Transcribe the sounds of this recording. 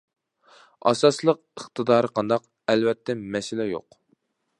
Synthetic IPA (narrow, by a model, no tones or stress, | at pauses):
ɑ̰sɑslˠəq̚əχt̪ʰɨd̪ɑːɾɨqʰɑnd̪ɑq | ɛlvɛt̪ʰːɛmɛsɪlɛjo̰q